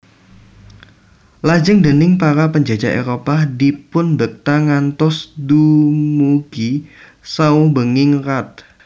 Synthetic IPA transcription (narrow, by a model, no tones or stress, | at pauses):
lad͡ʒəŋdənɪŋpaɾapəɲd͡ʒad͡ʒaʔḛɾopadipʊnbək̚t̪aŋant̪ɔsdumuɡ̥i | saubəŋɪŋrat̪̚